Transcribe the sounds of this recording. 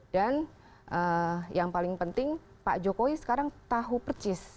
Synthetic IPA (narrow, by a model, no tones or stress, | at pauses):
d̥an | ʔəjaŋpalɪŋpənt̪ɪŋ | pa̰ʔd͡ʒokoisə̥kaɾaŋt̪aɦupərt͡ʃɪs